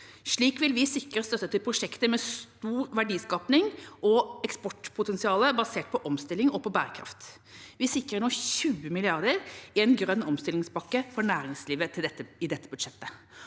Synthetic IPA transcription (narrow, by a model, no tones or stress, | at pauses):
ʂɭiːkʋɪlʋɪsɪkɾəɾst̪œt̪ːət̪ɪlpʰɾʊʂɛkt̪əmɛst̪uːɾʋæɖiːskɑːpnɪŋɔɛkspɔʈːpʰʊt̪ɛnsɪɑːləbɑseːʈ̚pʰɔʔɔmst̪ɪlɪŋɔpʰɔbæ̰ːɾəkʰɾɑ̰ft̪ | ʋɪsɪkɾəɳɔçʉːəmɪlɪɑɾd̪əɾɪɛnɡɾœnːɔmst̪ɪlɪŋsbɑkːəfɔɳæːɾɪŋsliːʋət̪ʰɪɛəɪd̪ɛt̪ːəbʉd̪ʂɛt̪ːə